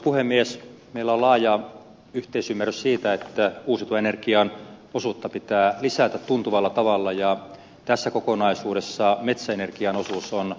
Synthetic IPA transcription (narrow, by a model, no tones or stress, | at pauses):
puhemːies | meilːæolɑːjɑ | yht̪eisymːærˑyssiːt̪æet̪ːæuːsit̪uɑenerkiɑnosut̪ːɑpit̪æːlisæt̪æt̪t̪unt̪uʋɑlːɑt̪ɑʋɑlːɑjɑ | t̪æsːækokonɑisuːɾesːɑmet̪sæenerkiɑnosuson